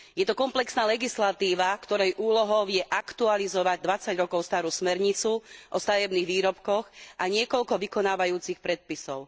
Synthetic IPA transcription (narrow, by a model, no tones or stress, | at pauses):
jɛt̪ɔkɔmplɛksnaːlɛɡislat̪iːʋakt̪ɔɾɛjʔuːlɔɦɔʊjɛʔakt̪ualizɔʋaɟ̚d̪ʋat͡saɟɾɔkɔʊst̪aːɾusmɛɾɲit͡suʔɔst̪aʋɛbniːɣʋiːɾɔpkɔxʔaɲɪɛkɔlkɔʋikɔnaːʋajuːt͡sixpɾɛt̪̚pisɔʊ